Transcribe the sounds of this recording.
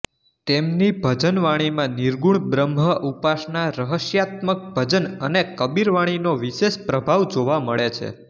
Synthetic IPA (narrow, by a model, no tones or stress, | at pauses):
t̪emnibʱəd͡ʒənʋaɽ̃imãniɾɡuɳbɾəmɦəʔupaʃnaɾəɦəʃjat̪̚mək̚bʱəd͡ʒənənekəbiɾʋaɽ̃inoʋiʃeʃpɾəbʱaʋd͡ʒoʋaməɭet͡ʃʰḛ